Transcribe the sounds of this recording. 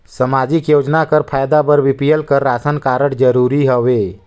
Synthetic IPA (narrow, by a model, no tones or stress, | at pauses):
səmad͡ʒɪkjoːd͡ʒnakəɾpʰaːjd̪abəɾʋɪpijəlkəɾːaːsənkaɾəʈd͡ʒəɾuːɾiɦəʋeː